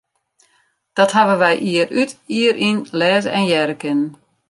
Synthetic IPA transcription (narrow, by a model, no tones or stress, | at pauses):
d̥ɔthaʋəʋɛjʔiəɾytiəɾʔinlɛːzəʔɛnjɛɾəkɪnən